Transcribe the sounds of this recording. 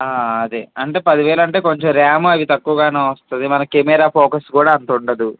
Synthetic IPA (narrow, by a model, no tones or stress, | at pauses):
aːɐd̪eɐɳʈe̞ːpɐd̪iʋɛːɭɐɳʈe̞ːko̞ɲt͡ʃemɾaːmuɐʋit̪ɐkːuʋɐɡaːneːʋɐst̪und̪imɐnɐkemɛːɾaːpʰɔːkɐskuːɽaːɐnt̪uɳɖɐd̪u